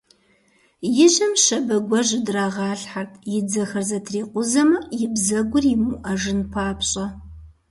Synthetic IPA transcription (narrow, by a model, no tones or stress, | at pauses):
jɪʑɐmʃɐbɐɡʷɔʑɪdraːʁɑːɬħartʰjɪd͡zɐxɐrzɐtʰriːqʷʊzɐmɐjɪbzɐɡʷʊrjɪmuʔɐʒɨnpʰaːpʰɕʼɐ